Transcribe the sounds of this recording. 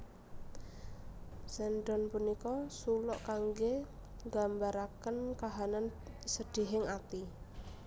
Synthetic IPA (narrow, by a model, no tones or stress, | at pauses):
sɛnɖɔnpunikɔsulʊʔkaŋɡeŋɡambaɾakənkaɦanan | səd̪̥i̤ɦɪŋat̪i